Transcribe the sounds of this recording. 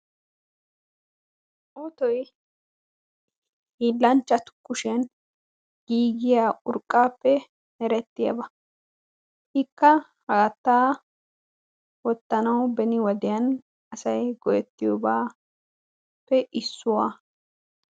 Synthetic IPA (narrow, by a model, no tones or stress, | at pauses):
ʔoːt̪ɔj | hiːlːɐnt͡ʃːɐt̪ʊ̥kːʊʃɛn | ɡ̥iːɡɪjaːʊɾkʼːaːpːɛ | hɛɾɛt̪ːɪjɐ̰bɐ | hɪkːɐhɐɡɐt̪ːaː | wɔt̪ːɐnɐwbɛnɪwɐd̪ɪjɐn | ɐsɐjɡɔjɛt̪ːɪjobaː | pːɛʔɪsːʊwaː